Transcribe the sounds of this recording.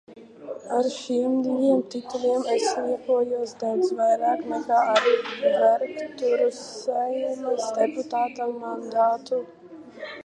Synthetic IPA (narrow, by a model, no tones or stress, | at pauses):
aɾʃiɛmd̪ijiɛmt̪it̪ulʲiɛmɛsniɛkuɔjuɔsd̪awd̪svajɾaːknɛkaːaɾvɛɾkt̪uɾusɛjnɛsd̪ɛput̪aːt̪aːand̪aːt̪u